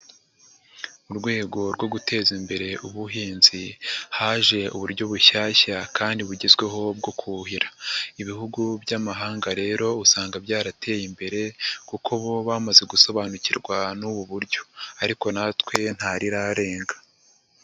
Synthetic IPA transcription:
uɾɡwe̞ːɡo̞ɾɡwo̞ɡutʰe̞ːzimbe̞ɾe̞ʔuβuɦiːnzihaːʒe̞ṵβuɾɟo̞βuʃaːʃakʰaːndiβuɟezɡwe̞ɦo̞b̚ɡo̞kʰuɦiɾaiβihuɡubɟamaɦaːŋɡaɾe̞ːɾo̞usaːŋɡabɟaːɾatʰe̞ːjimbe̞ɾe̞kukʰoβo̞βamaze̞ɡuso̞βanucḭɾɡwanuβuβuɾɟo̞̥aɾiko̞natkwe̞n̥haɾiɾaɾe̞ːŋɡḁ

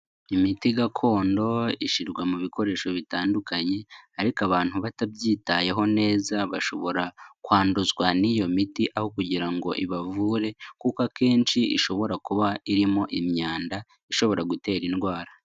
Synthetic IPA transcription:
imitiɡakʰo̞ːndo̞iʃiɾɡwamuβikʰo̞ɾe̞ːʃo̞βitaːndukaɲe̞aɾikaβaːn̥huβatabɟiːtaje̞ɦo̞ne̞ːzaβaʃo̞̰βo̞ɾakwaːnduzɡwanijo̞mitiʔaho̞kuɟiɾaŋɡo̞̰ʔiβavuːɾe̞kukake̞ːnʃiʔḭʃo̞βo̞ɾakuβaiɾimo̞ʔimɲaːnda | iʃo̞βo̞ɾaɡute̞ːɾinɡwaːɾa

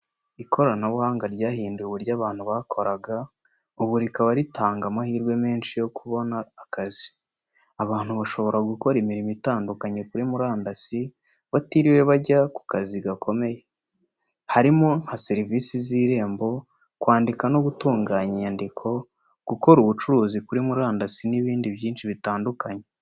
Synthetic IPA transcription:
ikʰo̞ɾanaβuhaːŋɡaɾɟaːhiːndujeβuɾɟaːβaːn̥huβaːkʰo̞ɾaɡa | uβuɾikaβaɾitaːŋɡamahiːɾɡwe̞me̞ːnʃijo̞kʰuβo̞naːkazi | aβaːn̥huβaʃo̞βo̞ɾaɡuko̞ɾimiɾimitaːndukaɲe̞kuɾimuɾaːndasi | βatiɾiwe̞βaɟaku̥kaziɡakʰo̞me̞je | haɾimon̥haseɾiviːsiziːɾe̞ːmbo̞ | kwaːndikanoɡutuːŋɡaːɲiɲandikʰo̞ | ɡ̥uko̞ɾuβut͡ʃuɾuːzikuɾimuɾaːndasiniβiːndiβjiːnʃiβitaːndukaɲe

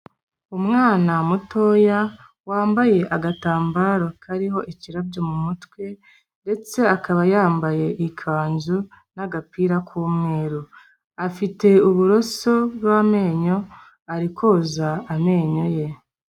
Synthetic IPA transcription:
umŋaːnamuto̞ja | waːmbaje̞ʔaɡataːmbaɾo̞kʰaɾiɦo̞ʔiciɾabɟo̞mumutwe̞ | nde̞t͡se̞akaβajaːmbaje̞ʔikʰaːnzu | naɡapiɾakʰuːmŋe̞ːɾu | afite̞uβuɾo̞soβwame̞ːɲo̞ | aɾikʰo̞zaːme̞ːɲo̞je̞

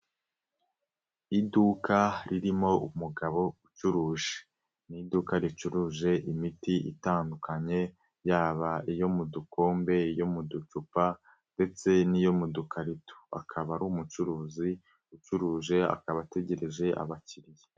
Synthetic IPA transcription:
idukaɾiɾimo̞umuɡaβo̞ut͡ʃuɾuːʒe | nidukaɾit͡ʃuɾuːʒe̞ʔimitiḭtaːndukaɲe̞ | jaːβaijo̞muduko̞ːmbe̞jomudut͡ʃupa | nde̞t͡se̞nijo̞mudukʰaɾitu̥a̰kʰaβaɾumut͡ʃuɾuːzi | ut͡ʃuɾuːʒe̞a̰kaβate̞ɟe̞ɾe̞ʒe̞ʔa̰βaciɾije

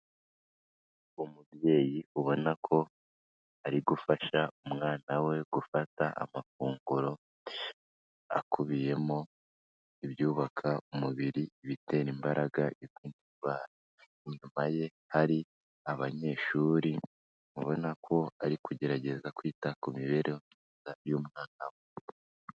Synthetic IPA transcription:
umubje̞ːjiuβo̞nakʰo̞ | aɾiɡufaʃaumŋaːnawe̞ɡ̥ufataʔa̰mafuːŋɡuɾo̞ | a̰kuβije̞mo̞ | iβjuːβakʰaumuβiɾiβite̞ːɾimbaɾʔaɡaʔiziːndiβaːɾa | iɲumaje̞ | haɾi | aβaɲe̞ːʃuːɾi | muβo̞nakʰo̞aɾikuɟe̞ɾaɟe̞zakwiːtakumiβe̞ɾʔeomɲiːzajumŋaːnawe

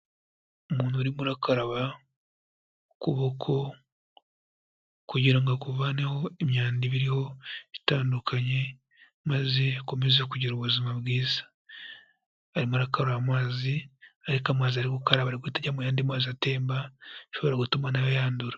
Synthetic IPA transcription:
omuːnuɾimuɾakaɾaβa | kuβokʰo̞ | kuɟiɾaŋɡakuvaneho̞emɲaːndiβiɾiho̞βitaːndukʰaɲe̞ | maze̞ako̞me̞zekuɟiɾuβuzimaβɡiːza | ɾimuɾakaɾaβamwaːziaɾikamwaːziaɾiɡukaɾaβaɾiɡwetaɟamujaːndimwaːziate̞ːmbaʃo̞βo̞ɾaɡutumanajojaːnduɾa

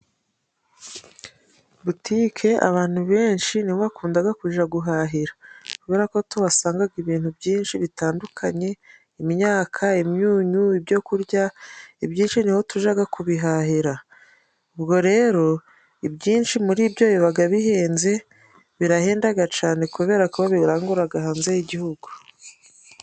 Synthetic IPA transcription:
butikʰe̞a̰βaːn̥huβe̞ːnʃiniβakuːndaɡakuʒaɡuɦaɦiɾḁkuβe̞ɾako̞tuβasaːŋɡaɡiβiːn̥hubɟiːnʃiβitaːndukʰaɲe̞ | imiɲaːkʰaimɲuːɲuibɟo̞kuɾɟaibjiːnʃiniho̞tuʒaɡakʰuβiɦaɦiɾa | ubɡo̞ɾe̞ːɾo̞ | ibɟiːnʃimuɾiːbɟo̞ːjiβaɡaβiheːnze̞ | βiɾaheːndaɡat͡ʃaːne̞kuβe̞ːɾakuβaβiɾaːŋɡuɾaɡaɦaːnzejiɟihuɡu

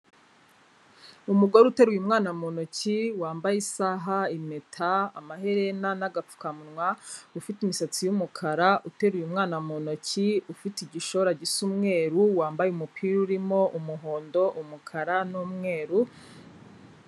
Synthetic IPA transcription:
umuɡo̞ɾeute̞ɾujumŋaːnamo̞no̞ciwaːmbajisaːɦaime̞tʰa̰ːmaɦeɾenanaɡap͡fu̥kamunŋwaufitimisat͡sijumukʰaɾaute̞ɾujumŋaːnamo̞no̞ciufitiɟiʃoɾaɟisumŋe̞ːɾuwaːmbajeumupʰiɾuɾimo̞ʔumuɦo̞ːndo̞ʔumukʰaɾanuːmŋe̞ːɾu

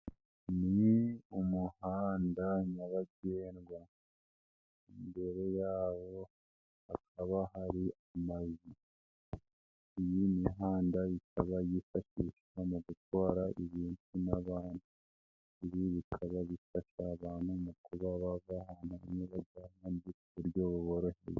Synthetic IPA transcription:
niumuhaːndaɲaβaɡeːnɡwa | imbe̞ɾe̞jaːwo̞ | akʰaβahaɾiamazi | ijiniɦaːndajikʰaβajifaʃiʃ | amuɡutwaːɾaiβiːntunaβaːn̥hu | iβiβikʰaβaβifaʃaːβaːn̥humukuβaβavaɦaːn̥huɲiβaɡamandikuβuɾɟo̞ːβuβo̞ɾo̞ʃḛje

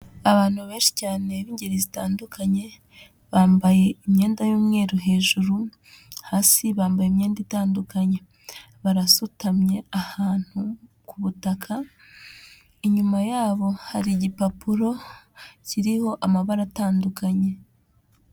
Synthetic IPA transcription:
aβaːn̥huβe̞ːnʃi̥caːne̞βiːɲɟeɾizitaːndukʰaɲe̞ | βaːmbaje̞imɲe̞ːndajuːmŋe̞ːɾuɦe̞ːʒuɾu | haːsiβaːmbajeimɲe̞ːnditaːndukaɲe̞ | βaɾasutamɲe̞ahaːn̥hu | kuβutakʰa | iɲumajaːβo̞haɾiɟipapuɾo̞ciɾiho̞ʔamaβaɾataːndukaɲe̞

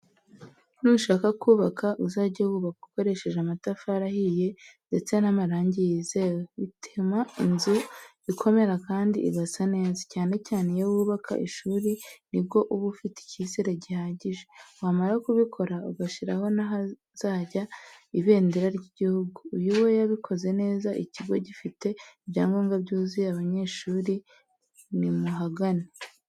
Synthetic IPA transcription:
nuuʃaːkakuːβakaʔuzaːɾɟawuβakuko̞ɾe̞ʃe̞ʒeamatafaɾahije̞nde̞t͡se̞nhamaɾaːɲɟijizeweitʰimainzu | ikʰo̞me̞ɾakaːndḭʔḭɡasane̞ːzacaːne̞caːne̞jowuːβakʰa̰ʔḭʃuːɾinib̚ɡo̞ʔuβufite̥cisiɾeɟihaːɟiʒe̞wamaɾakuβikʰo̞ɾauɡaʃiɾa̰ho̞naɦa | z̥aːɟaiβe̞ːndiɾaɾɟiɟihuɡuːjuwe̞jaβikʰo̞ze̞ne̞ːzaʔiciɡo̞ɟifite̞ibɟaːŋɡoŋɡabɟuːzijaβaɲe̞ːʃuːɾi | nimuɦaɡane

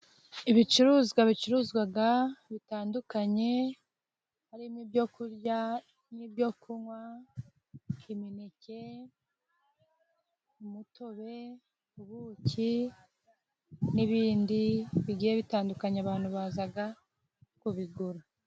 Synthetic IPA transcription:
iβit͡ʃuɾuːzɡwaβit͡ʃuɾuːzɡwaɡaβitaːndukaɲe̞ | haɾimibɟokuɾɟa | nibjo̞kuwa | iminece̞ | umutʰo̞βe̞ | uβucʰi | niβiːndiβiɡiːjeβitaːndukaɲeaβaːnhuβazaɡa | kuβiɡuɾu

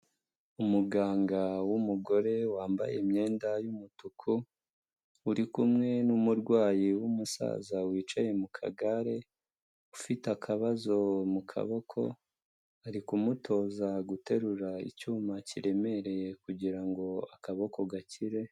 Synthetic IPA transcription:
umuɡaːŋɡawumuɡo̞ɾe̞waːmba̰jemɲe̞ːndajumutukʰu | uɾikumŋe̞numuɾɡwaːjiwumusa̰ːzawiːt͡ʃaje̞mukʰa̰ɡaɾe̞ | ufitakʰaβazo̞mukʰa̰βo̞kʰo̞̰ | aɾikumutʰo̞ːzaɡute̞ɾuɾaḭcuːmaciɾe̞me̞ɾe̞jekuɟiɾaŋɡo̞akaβo̞ko̞ɡaciɾe̞

